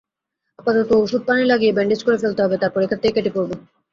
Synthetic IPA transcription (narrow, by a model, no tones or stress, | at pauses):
apat̪ɔt̪ooʃud̪̚panelaɡiebɛɳɖed͡ʑkoɾefelt̪eɦɔbet̪aɾpɔɾekʰːet̪ːejkeʈipoɾbo